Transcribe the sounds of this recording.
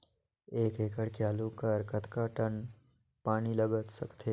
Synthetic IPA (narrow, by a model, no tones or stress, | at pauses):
eːkeːkəɽkeaːlukəɾkət̪kaʈən | paːniləɡət̪sɐkt̪ʰeː